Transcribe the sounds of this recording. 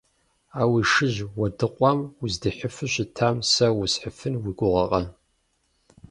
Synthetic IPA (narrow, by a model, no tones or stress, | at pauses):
aːwiʂɨʑwɐdɨqʷʼɔmuzdɨħəfɨɕɪtʰaːmsɐwʊsħəfɨnwiɡʷʊʁɐqʼɐ